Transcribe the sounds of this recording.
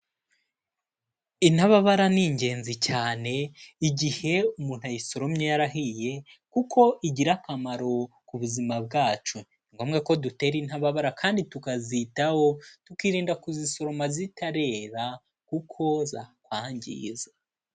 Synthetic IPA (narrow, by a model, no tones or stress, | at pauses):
in̥haβaβaɾaniɲɟe̞ːnzicaːne̞iɟihe̞umuːn̥hajiso̞ɾomɲejaɾaɦije̞ | kukʰo̞ʔiɟiɾakamaɾo̞ | kuβuzimab̚ɡaːt͡ʃuniŋɡo̞ːmɡeko̞dute̞ːɾin̥haβaβaɾakʰaːnditukazitaho̞tukiːɾiːndakuziso̞ɾo̞mazitaɾe̞ːɾa | kukʰo̞zakwaːɲɟḭːza